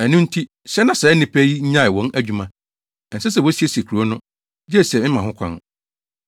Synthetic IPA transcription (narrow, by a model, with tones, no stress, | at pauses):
æ˨nʊ̃˦n̩˦tʰi˦ | sɛ˦nã˨sɛ˨ɛ˦nɪ̃˨pʰæ˦ji˦ɲ̩˦ɲã˦ɪ˨wɔ̃˨˦næ˨d͡ʑᶣũ˦mã˦ | ɛ˨n̩˨sɛ˦s̬ɛ˨wɔ˦si˦e˦si˨e˨kʰu˨ɾu˨˦o˦nʊ̃˦ | d͡ʑɪ˦ɛ˦˨sɛ˨mɪ̃˦mã˨hʊ̃˦kʷʰã̰˦˨n